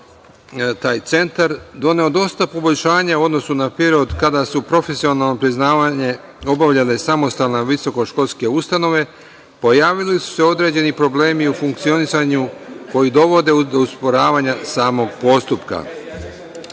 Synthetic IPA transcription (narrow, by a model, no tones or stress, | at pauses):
t̪aːjt̪se̞nt̪aɾd̪o̞ne̞o̞d̪o̞st̪apo̞bo̞lʎʲʃaːɲauo̞d̪no̞sunapɾeɾiod̪kad̪asupɾo̞fe̞sio̞nalno̞pɾiznaːʋaɲe̞ | o̞baʋʎalesamo̞st̪aːlˠnaʋiso̞ko̞ʃko̞lˠske̞ust̪ano̞ʋe̞ | po̞jaːʋilisu̥se̞o̞d̪ɾe̞ːd͡ʑe̞nipɾo̞ble̞ːmiufuŋk̚t̪sio̞nisaɲuko̞jid̪o̞ʋo̞d̪e̞ud̪ouspo̞ɾaːʋaɲasaːmo̞ɡpo̞st̪upka̰